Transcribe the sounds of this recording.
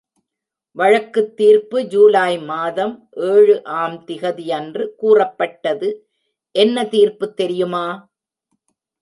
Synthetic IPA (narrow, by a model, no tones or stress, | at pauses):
ʋɐɻɐkːɯt̪ːiːɾpɯd͡ʒuːlaːjmaːðɐmʔeːɻɯʔaːmt̪ɪɣɐðɪjɐndrɯkuːrɐpːɐʈːɐðɯ | ʔɛnːɐt̪iːɾpɯt̪ːɛɾɪjɯmaː